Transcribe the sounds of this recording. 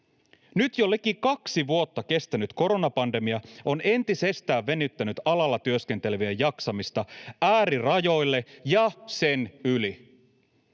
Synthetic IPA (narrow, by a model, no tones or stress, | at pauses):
nyt̪jolːek̟ːikɑksiʋuo̞t̪ːɑk̟e̞st̪ænyt̪ko̞ɾo̞nɑpɑnde̞miɑo̞ne̞nt̪ise̞st̪æːʋːe̞nyt̪ːænyt̪ɑlɑlːɑt̪yøsk̟e̞nt̪e̞leʋiejɑksɑmist̪ɑæːɾirɑjo̞jlːe̞jɑse̞nyli